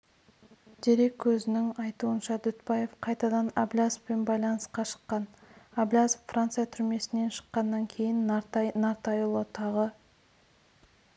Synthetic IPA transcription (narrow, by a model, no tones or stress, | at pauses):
d̪̥e̞ɾe̞kʲʰːɵzɪnɪŋɑjt̪uənʃɑd̪ʏt̪pɑje̞fqʰɑjt̪ɑd̪ɑnablʲaspe̞nbɑjlˠɑnəsqɑʃə̥qːɑnablʲazpfrant̪sɨjat̪ʰʏɾme̞sɪne̞nʃə̥qːɑnːɑŋkʲʰe̞jɪnnaɾt̪ɑjəlˠot̪ɑʁə